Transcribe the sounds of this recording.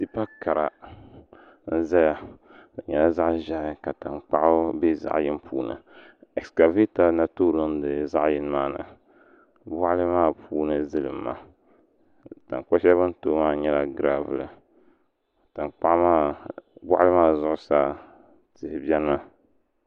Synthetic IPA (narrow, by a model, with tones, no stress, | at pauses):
ti˦pa˦ka˨ɾa˨ | n̩˦za˦ja˨ | ɨ˨ɲɛ˦la˦za˦ʔʒa˨ʔɪ˦ka˨ta˨nk͡pa˦ʔʊ˦be˦za̰˨ʔjɪ˦m˦pʰuː˦nɨ̰˨ | ɛ˨kska˨vi˦ta˦na˦to˦˨lo˦n˦dɨ˨za̰˦ʔjɪ˦n˦maː˦˨nɨ̰˨ | ba˦ʔlɨ˦maː˦˨pʰuː˦nɨ˦zɨ˦lɨ˨mː˦a̰˦˨ | ta̰˨ŋkɔ˦ʃɛ˦βɨ˦n̩˦to˦maː˦˨ɲɛ˦la˦ɡɾa˦vɨ˨lɨ˨ | tɨ˨nk͡pa˦ʔmaː˦˨ba̰˦ʔa˦lɨ˦maː˦˨zʊ˦ʔʊ˦sa˦ | tɨ˨hɪ˨bi˦ɛ˦na˦